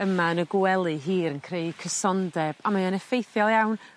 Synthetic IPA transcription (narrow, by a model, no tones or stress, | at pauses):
əmaənəɡwɛlˠɨɦiːɾənkʰrejkʰəsɔndɛb̥amaanɛfejθjɔlˠjawn